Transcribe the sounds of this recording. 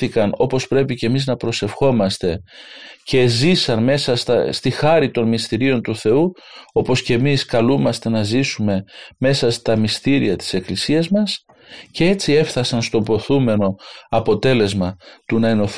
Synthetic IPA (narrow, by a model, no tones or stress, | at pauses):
ikɐno̞po̞spɾe̞pice̞miznɐpɾo̞se̞fxo̞mɐst̪e̞ce̞zisɐnme̞sɐst̪ɐst̪ixɐɾit̪o̞nmist̪iɾio̞nt̪uθe̞u | o̞po̞sceːmiskɐlumɐst̪e̞nɐzisume̞me̞sɐst̪ɐmist̪iɾḭɐt̪i̥se̞klisiɐzmɐs | ce̞et͡sie̞fθɐsɐnst̪o̞bo̞θume̞no̞ɐpo̞t̪e̞le̞zmɐt̪unɐeno̞θ